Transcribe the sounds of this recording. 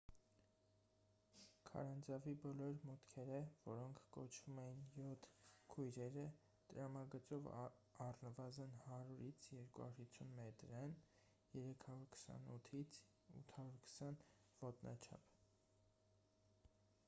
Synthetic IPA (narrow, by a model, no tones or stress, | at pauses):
kʰɑ̰ɾɑnd͡zɑvibɔlɔɾmut̪kʰɛɾəvɔɾɔŋkʰːɔt͡ʃʰvumɛjinjɔt̪ʰkʰujɾɛɾə | t̪əɾɑmɑɡət͡sɔvɑrnəvɑzənhɑɾuɾit͡sʰjɛɾkuhɑ̰ɾhit͡sʰːunmɛt̪ɾɛn | jɛɾɛkʰɑɾuɾkʰə̥sɑ̰nut̪ʰit͡sʰ | ṵt̪ʰɑɾuɾkʰə̥sɑn | v̥ɔt̪nʔɑ̰t͡ʃʰɑ̰pʰ